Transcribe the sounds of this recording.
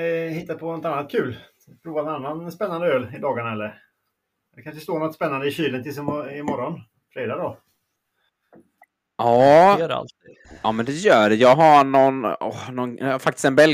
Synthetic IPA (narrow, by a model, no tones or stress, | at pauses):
hɪt̪ːad̪pʰɔnɔt̪anːat̪kʰʉ̟ːl | pʰɾuːvannanːanspɛnːand̪əøːlɪd̪ɑːɡaɳaɛlːəɾ | d̪ɛkʰanʂəst̪oːnɔt̪spɛnːand̪əɪɕyːlənt̪ʰɪs̬ɪmɔɾɔn | fɾeːd̪ad̪ɔ | ʔɑːa̰l | ʔɑːmɛnd̪ɛjœːɖɛjɑːɡɦaɳɔnɔhnɔnafak̚t̪ɪ̥st̪ɛnbɛl